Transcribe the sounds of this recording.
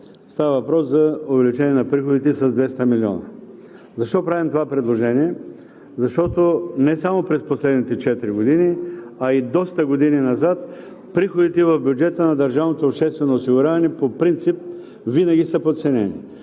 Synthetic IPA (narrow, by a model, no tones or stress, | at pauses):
st̪avɐvɐpɾɔszɐʊvɛlit͡ʃɛniɛnɐpɾixod̪it̪ɛsɐzd̪vɛst̪əmiliɔ̰nɐ | zɐʃt̪ɔpɾavimt̪ovapɾɛd̪lˠoʒɛniɛ | zɐʃt̪ɔt̪onɛsamopɾɛsposlɛd̪nit̪ɛt͡ʃɛt̪iɾiɡod̪iniɐid̪ɔst̪ɐɡod̪ininɐzat̪̚ | pɾixod̪it̪ɛvɐfbjud͡ʒɛt̪ənɐd̪ɐɾʒavnot̪oːpʃt̪ɛst̪vɛnoːsiɡʊɾʲavɐnɛpopɾint̪sip̚ | vinɐɡʲisəpot̪sɛnɛnḭ